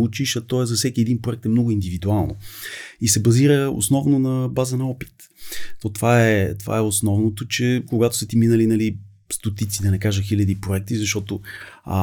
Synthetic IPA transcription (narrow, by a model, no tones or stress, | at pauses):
ut͡ʃiʃɐt̪ɔɛzɐfsɛkiɛd̪inpɾoʊɛk̚t̪ɛmnɔɡʊind̪ivid̪ualˠno̰isɛbɐziɾəo̰snɔvnonɐbazənɐɔpi̥t̪ | t̪ɔt̪ovaɛt̪ova̰ɛosnɔvnot̪ot͡ʃɛkoɡat̪ʊ̥sət̪iminəlinɐli | st̪ot̪it̪sid̪ɐnɛkaʒəxilʲɐd̪ipɾoɛk̚t̪izɐʃt̪ɔt̪o